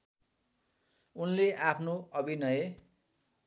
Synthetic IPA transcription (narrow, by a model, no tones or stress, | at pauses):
unleʔapʰnoʌbinʌje